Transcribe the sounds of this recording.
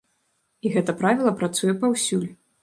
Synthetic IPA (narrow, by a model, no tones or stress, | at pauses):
iɣɛt̪ɐpɾavʲilˠɐpɾat̪sujɛpawsʲulʲ